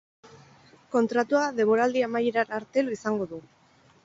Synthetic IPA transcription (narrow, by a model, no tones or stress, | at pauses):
ko̞nt̪ɾat̪uaðe̞βo̞ɾald̪iamajeɾaaɾt̪elisaŋɡo̞ðu